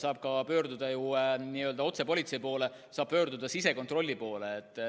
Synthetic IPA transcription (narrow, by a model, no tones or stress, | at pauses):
sɑːb̥̚kɑpø̞ːɾd̪ud̪̥ɑjueniø̞ld̪ɑo̞t̪se̞po̞lʲit̪se̞jipo̞ːle̞ | sɑːb̥̚pø̞ːɾd̪ud̪̥ɑsise̞ko̞nt̪ro̞lʲːipo̞ːleːt̪ːˑ